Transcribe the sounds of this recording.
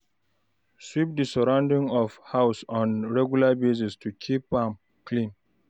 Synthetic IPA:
swip̚disɔɹãʊ̃ndĩŋɔfhaʊsɔ̃nɹɛɡjulabezistʰukʰipãm | klĩn

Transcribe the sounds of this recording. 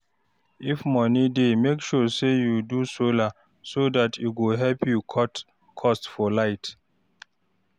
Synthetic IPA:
ifmɔnidemekʃɔsejudusola | sodatʰjuɡoɦɛlpʰjukʰɔt | kʰɔstfɔlaɪt

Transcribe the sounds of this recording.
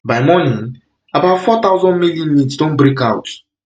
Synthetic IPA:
bajmɔnĩn | abaʊtfɔt̪aʊzɔ̃ndmiljɔ̃nmĩtsdõnbɾikawt

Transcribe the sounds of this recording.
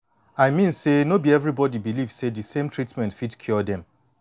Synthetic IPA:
ajmĩnsenobiɛvɹibɔdibiliv̥sedɨsẽmtɹitmɛ̃ntfitkʰjɔdɛ̃m

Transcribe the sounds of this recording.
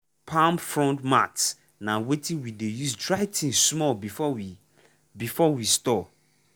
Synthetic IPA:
pʰãmfɹɔ̃ntma̰ts | nãwetʰĩwidejusdɹaɪtʰĩnsmɔlbifɔwi | bifɔwistɔ

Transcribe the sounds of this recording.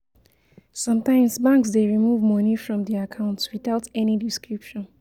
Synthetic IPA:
sʌ̃mtãɪ̃msbãŋksdeɹimuvmɔnifɹɔ̃mdiakʰãʊ̃ntwiθaʊtɛnidiskɹipʃɔ̃n

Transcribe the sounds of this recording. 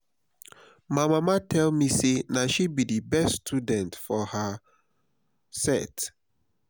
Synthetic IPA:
maɪmamatʰɛlmisenaʃibidibɛststʰudɛ̃ntfɔha | sɛ̰t

